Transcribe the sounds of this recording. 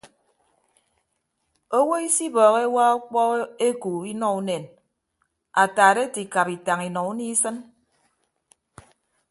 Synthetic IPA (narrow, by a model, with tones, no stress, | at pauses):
o˦wo˦i˦si˦bɔː˨ɣe˦wa˦u˦k͡pɔ˦e˦ku˨i˦nɔ˦u˦ne˨n | a˨taː˨ɾe˦ti˨ka˨pi˨ta˨ŋi˨nɔ˨u˦ni˦sɨ˦n